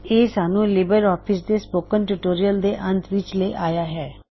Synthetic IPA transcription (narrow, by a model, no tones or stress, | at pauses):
eːsaːnũːlɪbəɾɔːpʰɪsd̪eːspoːkənʈuːʈoːɾijəld̪eːʔə̃nt̪ʰʋɪt͡ʃleːʔaːjaːɦɛː